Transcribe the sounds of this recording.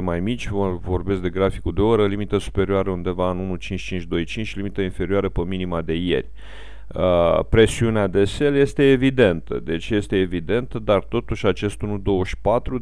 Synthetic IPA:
majmit͡ʃʲvəvo̞rbe̞skd̪e̞ɡɾafikud̪e̞oɾəlimit̪əsu̥pe̞ɾioaɾəund̪e̞vaɨnunut͡ʃint͡ʃʲt͡ʃint͡ʃʲd̪o̞jt͡ʃint͡ʃʲlimit̪əinfe̞ɾiaɾəpəminimad̪e̞je̞̰rʲ | əpɾe̞siunead̪e̞se̞lje̞st̪e̞ːvid̪e̞nt̪ə̰d̪e̞t͡ʃje̞st̪e̞ːvid̪e̞nt̪əd̪art̪o̞t̪uʃʲat͡ʃe̞st̪unud̪o̞wəʃʲpat̪ɾu

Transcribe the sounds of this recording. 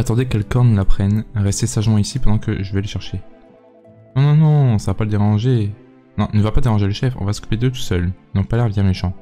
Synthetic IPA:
at̪ɑ̃d̪ekɛlkɔʁnlapχɛnʁɛst̪esaʒmɑ̃isipɑ̃d̪ɑ̃kəʒəvɛləʃɛʁʃe | nɔ̃nɔ̃nɔ̃savapaləd̪eʁɑ̃ʒe | nɔ̃nəvapad̪eʁɑ̃ʒeləʃɛfɔ̰̃vasə̥ku̥ped̪øt̪u̥sœlizɔ̃palɛʁvjɛ̃meʃɑ̃

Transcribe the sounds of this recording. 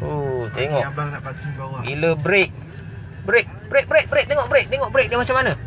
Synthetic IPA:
ot̪eŋɔʔabalnapatibawabiləbɾek̚ | bɾek̚bɾek̚bəɾek̚bəɾek̚t̪eŋɔʔbəɾek̚t̪eŋɔʔbəɾek̚jamat͡ʃamːanə

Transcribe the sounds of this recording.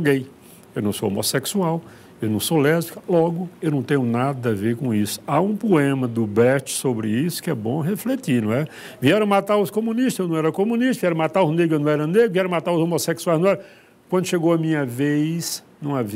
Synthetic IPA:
wɡẽj̃ | ewnɐ̃w̃so̰wo̰mo̰seksuaw | ewnɐ̃w̃sowlɛzikɐlɔɡʊewnɐ̃w̃t̪ẽɲʊnad̪ɐaveɾkõisʊ̥aũpoẽmɐd̪ʊbɛt͡ʃɪ̥sobɾɪisʊ̥kɪɛbõɦeflet̪iɾnɐ̃w̃ɛ | viɛɾɐ̃w̃mat̪aɾʊskomũniʃt̪zewnɐ̃w̃ɛɾɐkomũniʃt̪zviɛɾɐ̃mat̪aɾʊzneɡʊewnɐ̃w̃ɛɾɐneɡʊviɛɾɐ̃mat̪aɾʊzomoseksuajznɐ̃w̃ɛɾɐ | kwɐ̃nd̪ʊʃeɡowɐmĩɲɐvejznɐ̃w̃avi

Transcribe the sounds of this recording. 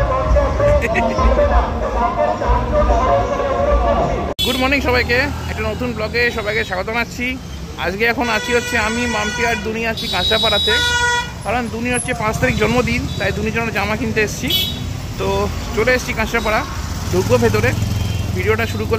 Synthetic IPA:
ɡuɖmonikʃɔβajkeɛk̚ʈanot̪unblɔɡeʃɔbajkeʃaɡot̪onat͡ɕʰi | a̰d͡ʑɡeɛkʰonat͡ɕʰiɦotːɕʰeamimamt̪iaɾd̪uniat͡ɕʰikãʃapaɽat̪ek̪aɾond̪uniɦotːɕʰepãt͡ɕt̪aɾik̚d͡ʑɔnmod̪int̪ajd̪unid͡ʑɔnd͡ʑamakint̪eeʃt͡ɕʰi | t̪o | t͡ɕoɽeest͡ɕʰikãʃapaɽa | d̪ʱoɡːobʱet̪̬oɾebʱiɖioʈaʃuɾukol

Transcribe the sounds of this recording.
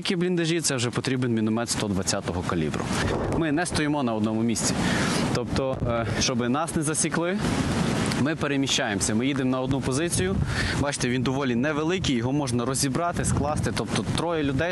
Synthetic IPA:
kʲiblʲind̪ɐʒʲit̪sɛwʒɛpɔt̪ɾʲibenmʲinʊmɛt̪st̪ɔd̪ʋɐt͡sʲːat̪ɔɦɔkɐlʲḭbɾʊ̰mɪnɛst̪ɔjɪmɔnɐɔd̪nɔmʊmʲisʲt͡sʲit̪ɔpt̪ɔʃt͡ʃɔbɪnɑsnɛzɐsʲiklˠɪ | mɪpeɾemʲiʃt͡ʃajemsʲɐmɪjid̪ɪmnɐɔd̪nupɔzɪt͡sʲijʊbɑt͡ʃɪ̥t̪ɛʋind̪ɔʋɔlʲinɛʋelˠɪkʲijɔɦɔmɔʒnɐɾɔzʲibɾɑt̪ɪsklˠɑst̪ɪt̪ɔpt̪ɔt̪ɾɔjɛlʲʊd̪ɛj

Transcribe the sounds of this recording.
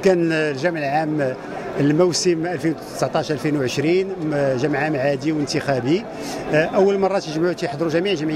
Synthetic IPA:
kænlʒæmʕəlʕam | əlmuwsəmʔælfinwt̪ə̥sʕt̪ˤɑʃʔælfinwʕəʃɾinʒæmʕamʕad̪iwənt̪əxæbi | ʔəwːəlmɑrˤːɑt̪jəʒmaʕut̪iħd̪ˤɾuʒæmiʕʒəmʕi

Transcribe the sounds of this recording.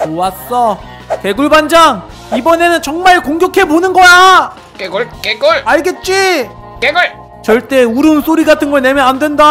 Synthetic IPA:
owas͈ʌ | ke̞ɡuɭband͡ʑaŋ | ibʌne̞nɯnt͡ɕʌŋmaɭkoŋɡʲjʌkʰe̞bonɯnɡʌja | keɡuɭkeɡuɭaɭɡe̞t̚t͡ɕ͈i | keɡuɭ | t͡ɕʌɭt͈e̞uɾɯms͈oɾiɡatʰɯnɡʌɭnemjʌnandwe̞nda

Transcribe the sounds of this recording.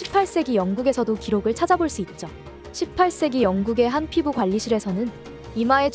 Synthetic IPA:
ɕʰipʰaɭs͈e̞ɡijʌŋɡuɡe̞sʰʌdokiɾoɡɯɭt͡ɕʰad͡ʑaboɭs͈uit̚t͡ɕ͈o | ɕʰip̚pʰaɭs͈e̞ɡijʌŋɡuɡe̞ɦanpʰibukwaʎːiɕʰiɾe̞sʰʌnɯn | imae̞

